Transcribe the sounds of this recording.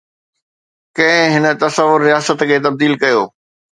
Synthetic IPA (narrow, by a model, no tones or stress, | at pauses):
kɐ̃ɦɪ̃ɦɪnə̆t̪ɐsəʋːʊɾːijaːsət̪kʰeːt̪̬ɐb̚d̪iːlkɐjoː